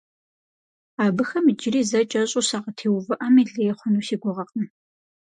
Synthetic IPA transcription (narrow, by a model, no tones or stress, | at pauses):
aːbɨxɐmd͡ʒɪɾiːzɐt͡ʃʼɐɕʼuːsaːʁɐtʰeːwvɨʔɐmiɮeːχʷʊnuːsiːɡʷʊʁɐqʼən